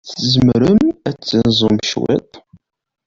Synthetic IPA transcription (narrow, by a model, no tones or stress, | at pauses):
θzmɾəmæt͡sːənzˤomʃwḭt̪ˤ